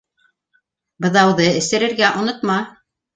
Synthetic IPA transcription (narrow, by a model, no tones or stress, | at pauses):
bɤ̆ðɑwðɤɘ̆sɘ̆ɾɘ̆ɾɡæʔŏnŏt̪mɑ